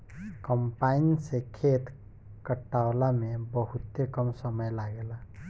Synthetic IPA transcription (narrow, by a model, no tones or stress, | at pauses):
kəmpainsekʰet̪ | kəʈːaolamebəɦut̪ːekəmsəməjlaɡela